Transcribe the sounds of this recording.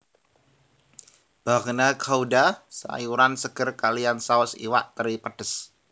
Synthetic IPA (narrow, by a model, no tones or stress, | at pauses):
b̥aχnakʰaudasa̰juɾansəɡ̥ərkaliansaʊsḭwa̰ʔt̪əɾipəɖ̥əs